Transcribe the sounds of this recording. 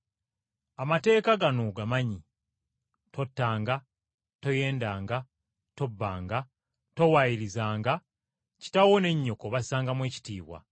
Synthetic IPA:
amate̞ːkaɡanoɡamaɲi | to̞tːaːŋɡa | to̞je̞ːndaːŋɡa | to̞bːa̰ːŋɡa | to̞wajiɾizaːŋɡa | ci̥tawo̞ne̞ɲːo̞ko̞βasaːŋɡamwe̞ːci̥tiːβwa̰

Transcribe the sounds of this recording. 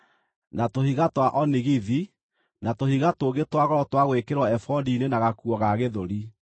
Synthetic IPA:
natohiɣatwaʔɔniɣiði | natohiɣatoɣetwaɣɔɾɔtwaɣwekeɾwɔɛfɔndiːnenaɣakuɔɣaɣeðoɾi

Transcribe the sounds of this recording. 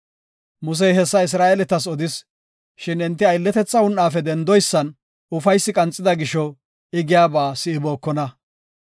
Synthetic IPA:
mʊs̬ɛjɦɛsːɐɪs̬ɾaːʔelɛt̪ɐs̬ɔd̪ɪs | ʃɪnɪnt̪ːɪɐjlːɛt̪ɛt͡sːɐwʊnʔaːfɛd̪ɛnd̪ɔjsːɐn | ʊfɐjsːɪkʼɐnt͡sʼːɪd̪ɐɡɪʃɔ | ɪɡɪjaːbaːsɪɪbo̞ːkːɔnɐ

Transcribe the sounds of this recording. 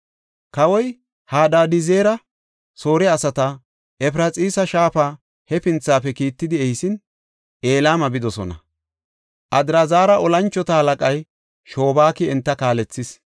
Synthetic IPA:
kɐwɔj | haːd̪aːd̪ɪzeːɾɐ | so̞ːɾɛɐsɐt̪ɐ | ɛpɾɐt͡sʼiːsɐʃaːfaː | hɛpɪnt͡sːaːfɛkiːt̪ːɪd̪ɪɛjsɪn | ʔe̞ːlaːmɐbɪd̪ɔsɔ̰nɐ̰ | ʔɐd̪ɾazaːɾɐʔɔlɐnt͡ʃːɔt̪ɐhɐlɐkʼɐj | ʃo̞ːbaːkɪɛnt̪ːɐkaːlɛt͡sːɪs

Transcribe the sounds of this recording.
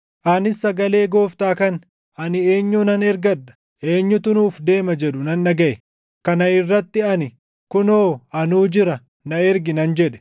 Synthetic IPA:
ʔɐnɪsːɐɡɐle̞ːɡo̞ːft̪aːkɐn | ʔɐnɪe̞ːɲːʊnɐnɛɾɡɐᶑːɐ̥ | ʔe̞ːɲːʊt̪ʊnuːfd̪e̞ːmɐd͡ʒɛᶑʊnɐnːɐɡɐʔɛ | kɐnɐɪrːɐt̪ːɪɐnɪ | kʊnoːɐnuːd͡ʒɪɾɐ | nɐɛɾɡɪnɐnd͡ʒɛᶑɛ̥

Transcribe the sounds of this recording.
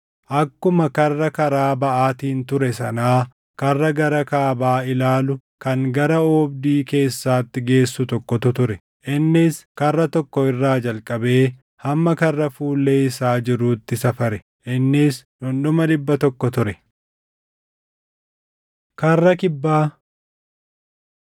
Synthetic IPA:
ʔɐkːʊmɐkɐrːɐkɐɾaːbɐʔaːt̪iːnt̪ʊɾɛsɐnaː | kɐrːɐɡɐɾɐkaːbaːɪlaːlʊ | kɐŋɡɐɾɐoːbd̪iːke̞ːsːaːt̪ːɪɡe̞ːsːʊt̪ɔkːɔt̪ʊt̪ʊɾɛ | ʔɪnːɪskɐrːɐt̪ɔkːɔɪrːaːd͡ʒɐlkʼɐbe̞ː | hɐmːɐkɐrːɐfuːlːeːɪsaːd͡ʒɪɾuːt̪ːɪsɐfɐɾɛ | ʔɪnːɪːsᶑʊnɗʊmɐᶑ̪ɪbːɐt̪ɔkːɔt̪ʊɾɛ | kɐrːɐkɪbːaː

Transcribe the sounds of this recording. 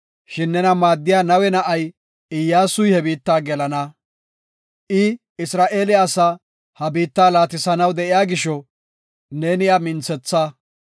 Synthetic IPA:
ʃɪnːɛnɐmaːd̪ːɪjaːnɐwɛnɐʔɐj | ɪjːaːsʊjhɛbiːt̪ːaːɡɛlɐnɐ | ʔɪ | ɪsɾaːʔe̞ːlɪɐsa | hɐbiːt̪ːaːlaːt̪ɪsɐnɐwd̪ɛʔɪjaːɡɪʃɔ | ne̞ːnɪjɐmɪnt͡sɛt͡sːa

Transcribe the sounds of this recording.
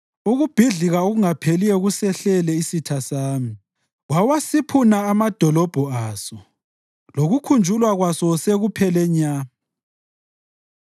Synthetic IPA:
uɣub̥ʱiɮiɣaoɣuŋapʰelijɛɣusɛɬɛlɛisitʰasaːmi | wawasipʰunaːmad̥ʱɔlɔb̥ʱɔaːsɔ | loɣukʰund͡ʒʱulwaɣwasɔseɣupʰɛlɛɲaːmi

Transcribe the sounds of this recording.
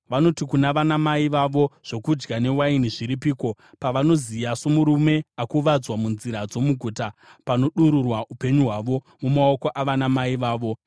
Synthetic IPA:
ʋano̞tikunaʋanamaiʋaʋo̞ʐ̥o̞kud͡ʒɡane̞wainiʐiɾipiːko̞ | paʋano̞zijasomuɾume̞akuʋad͡zwamunziɾad͡zo̞muɡʱuːtapano̞ɗuɾurwaʔupe̞ɲuɦwaʋo̞ | mumao̞ko̞ʔaʋanamaiʋaːʋo̞

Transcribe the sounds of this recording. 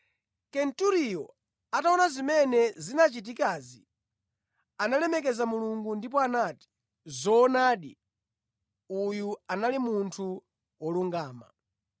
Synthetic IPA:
kɛntuɾijɔ | ataɔnazimɛnɛzinat͡ʃit̬ikazi | analɛmɛk̬ɛzamuluŋɡundip̬ɔanati̥ | zɔːnaːɗi | ujuanalimuntʰu | wɔluŋɡaːma̰

